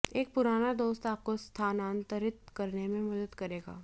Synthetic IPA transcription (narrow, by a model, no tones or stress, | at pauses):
eːk̚pʊɾaːnad̪oːst̪aːp̚kost̪ʰaːnaːnt̪əɾɪt̪̚kɐɾnemẽmɐd̪əd̪kɐɾeːɡa̰ː